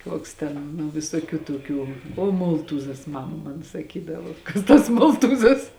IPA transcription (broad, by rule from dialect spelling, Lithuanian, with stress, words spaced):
ˈkuɔks tʲɛn nʊ ʋʲɪsoːˈkʲuː toːˈkʲuː oː ˈmoːlˠtuːzɐs ˈmɑːmɐ ˈmɐn sɐˈkʲiːdɐʋoː ˈkɐs tɐs ˈmoːlˠtuːzɐs